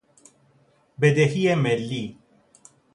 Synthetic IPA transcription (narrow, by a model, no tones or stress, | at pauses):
bed̪ehijemɛlːiː